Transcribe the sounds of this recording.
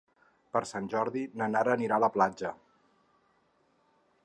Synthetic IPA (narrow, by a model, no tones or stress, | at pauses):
pəɾsanʲʒɔɾðinənaɾəːniɾaləplad͡ʒə